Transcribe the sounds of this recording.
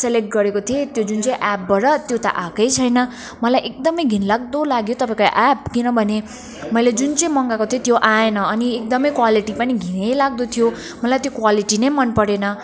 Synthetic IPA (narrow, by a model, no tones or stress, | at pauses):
selek̚ʈ̚ɡʌɾekot̪ʰiet̪jod͡zunt͡sʌ̃ĩʔap̚bʌɾʌt̪jot̪ʌ̰ʔakʌjt͡sʰʌjnʌ | mʌlajʔek̚d̪ʌmʌjɡʱinlaɡ̚d̪olaɡjot̪ʌpãĩkoʔap̚kinʌbʱʌne | mʌjled͡zunt͡sʌj̃mʌŋɡakot̪ʰijet̪joʔaenʌːniek̚d̪ʌmʌjkwaliʈipʌniɡʱinejlaɡ̚d̪ot̪ʰijo | mʌlajt̪jokwaliʈinʌjmʌnpʌɽenʌ